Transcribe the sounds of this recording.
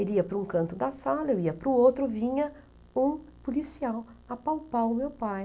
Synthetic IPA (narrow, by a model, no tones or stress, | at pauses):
eliɐpɾʊũkɐ̃nt̪ʊd̪ɐsalɐewiɐpɾʊowt̪ɾʊvĩɲɐ | ũpolisiawɐpawpawʊmewpaj